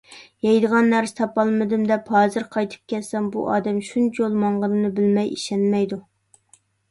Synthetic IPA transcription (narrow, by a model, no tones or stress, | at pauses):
jɛjd̪əʁɑnːæɾsɪ̥t̪ʰɑpɑlˠmɨd̪ɪmd̪ɛphɑːzɨɾqʰɑjt̪ʰɨ̥p̚kʲɛt̪sɛmbṵʔɑːd̪ɛmʃunt͡ʃʰijolˠmɑɴʁənɨnɨbɪlmɛjʔiʃɛnmɛjd̪u